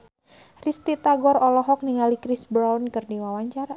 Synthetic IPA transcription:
rist̪it̪aɡɔrɔlɔɦɔk̚niŋalikɾisbɾawnkɨrdiwawaɲt͡ʃaɾa

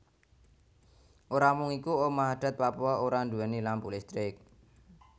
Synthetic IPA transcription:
ʔoɾamʊŋikuomaɦaɖ̪̥a̤t̪̚papuɔoɾand̪uɛnilanpulɪst̪ɾɪk̚

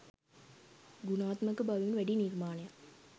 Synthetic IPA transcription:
ɡunaːt̪mɐkːɨbɐʋiʋnʋæɖinirmaːnɐja

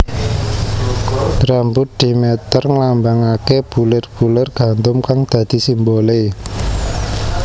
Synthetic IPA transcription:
bɾambʊt̪̚d̪̥imet̪ərŋlambaŋakeb̥ulɪrb̥ulɪrɡ̥ä̤nd̪ʊmkaŋd̪̥ä̤d̪̥i̤simbole

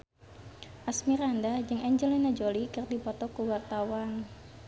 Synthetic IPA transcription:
ʔasmiɾandad͡ʒɨŋɛɲd͡ʒəlinad͡ʒolikərd̪ipɔt̪ɔkuwart̪awan

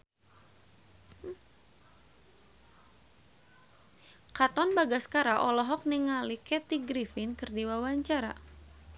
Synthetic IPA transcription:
kat̪ɔnbaɡaskaɾaʔɔlɔɦɔk̚niŋalikɛt̪iɡɾifɪnkɨrdiwawaɲt͡ʃaɾa̰

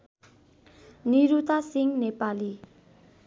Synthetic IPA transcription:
niɾut̪asiŋnepali

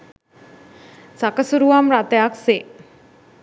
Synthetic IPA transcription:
sakəsuɾuʋamɾat̪ejakse

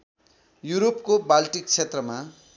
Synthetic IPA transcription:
juɾopkobalʈik̚t͡sʰet̪rʌma

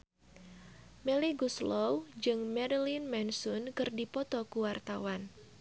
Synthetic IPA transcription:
mɛliɡuslɔwd͡ʒɨŋmɛɾilinmɛnsʊnkɨrdipɔt̪ɔkuwart̪awan

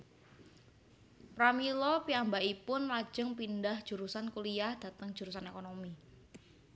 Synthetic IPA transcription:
pɾamilɔpiambaʔipʊnlḁd͡ʒ̥əŋpindahd̥ʒ̥ṳɾusankuliahd̥a̤t̪əŋ̥d͡ʒ̥uɾus̬anekonomi

